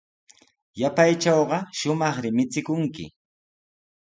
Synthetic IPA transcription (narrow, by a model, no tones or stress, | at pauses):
japajt͡ʃɑwɢɑʃʊmɑχɾɪmɪt͡sɪkʊŋkɪ̰